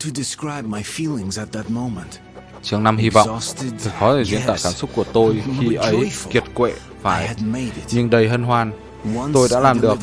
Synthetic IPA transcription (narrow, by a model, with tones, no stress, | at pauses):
tʰɨdɨskɹaɪb̚maɪfilˠɪ̃ŋzɨt̪̚ðɨt̚mõʊ̃mə̃nt | t͡ɕɨ˨˦əŋna˧mhi˧vɔ̰˧˨std̪ʰɨ˨˩xɔ˨˦˨zḭ˧˥əna̰ː˧˨kaː˧˩msʊ˦˥k͡p̚ku˧˩ət̪o˧jxi˧ʔə˨˦jki˨˩ət̚kwḛ˧˨ | faː˧˩jɨmeɪɾɪtɲɨ˧ŋɗə˧˩jɦə˧nɦwaː˧˩n | wnt̪o˧jɗa̰ː˧˥laː˨˩mɗɨ˨˩ək̚